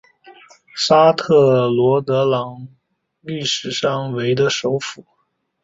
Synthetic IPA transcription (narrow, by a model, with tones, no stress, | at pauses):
sa˥t̪ʰɤ˥˩lwɔ˧˥t̪ɤ˧˥lɑ˧˥ŋ | ly˥˩ʂɻ̩˨˩ʂɑ˥˩ŋwe˧˥ɪd̪ə˧ʂo˧˥ʊfu˨˩˦